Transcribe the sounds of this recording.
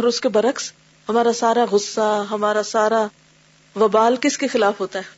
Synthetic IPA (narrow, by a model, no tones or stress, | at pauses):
ɔɾʊskebɐɾəks | ɦɐmaːɾasaːɾaɣʊsːaɦɐmaːɾasaːɾa | ʋɐbaːlkɪskexɪlaːfɦoːt̪aɦɛː